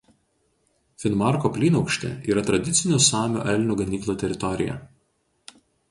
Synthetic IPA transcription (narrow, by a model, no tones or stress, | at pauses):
fʲɪnmɑˑɾkopʲlʲiːnɒʊkʃʲt̪ʲɛ̰iːɾɐt̪ɾɐd̪ʲɪt̪sʲɪnʲʊsɑːmʲṵːʔɛlʲnʲuːɡɐnʲiːklˠuːt̪ʲɛɾʲɪt̪ɔɾʲɪ̰jɛ̰